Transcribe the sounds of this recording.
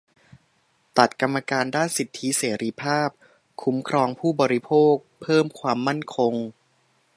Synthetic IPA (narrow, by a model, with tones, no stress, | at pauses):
t̪a˨˩t̪̚ka˧mːa˧kaː˧ndaː˥˩nsi˨˩t̪ʰːi˦˥seː˩˦ɾi˧˥pʰaː˥˩p̚ | kʰu˦mkʰɾɔː˧ŋpʰuː˥˩bɔː˧ɾi˦˧pʰoː˥˩k̚pʰɤː˥˩mkʰwaː˧mːa˥˩nkʰo˧ŋ